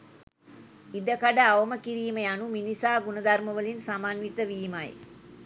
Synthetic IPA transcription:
id̪əkaɖəaʋəməkiɾiːməjanuminisaːɡunəd̪arməʋəlinsamanʋit̪əʋiːmaj

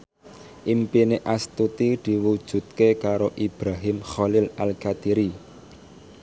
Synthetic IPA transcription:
ʔimpineʔast̪ut̪id̪̥i̤wud̥ʒ̥ṳt̪̚kekaɾoʔib̥ɾaɦimχɔlɪlalkad̪̥iɾi

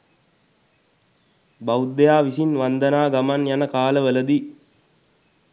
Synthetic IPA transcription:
baud̪ːejaːʋisinʋand̪ənaːɡamanjanəkaːləʋələd̪i

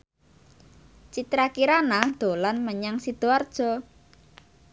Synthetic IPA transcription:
t͡ʃit̪ɾakiɾanad̪̥o̤lanməɲaŋsid̪̥oard̥ʒ̥ɔ̤

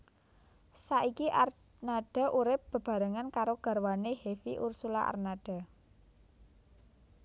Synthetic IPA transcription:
saʔikiʔar | naɖ̥a̤ʔuɾɪp̚b̥ə̤b̥a̤ɾəŋankaɾoɡ̥ä̤rwaneɦefḭʔursula̰ʔa̰rnaɖ̥a̤

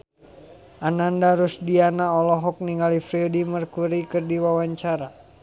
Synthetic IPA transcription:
ʔanandaɾusdianaɔlɔɦɔk̚niŋalifɾiɔdimərkuɾikɨrdiwawaɲt͡ʃaɾa

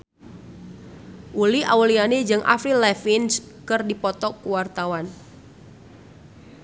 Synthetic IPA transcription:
ʔulia̰ulianed͡ʒɨŋʔa̰fɾilɛfinskɨrdipɔt̪ɔkuwart̪awan

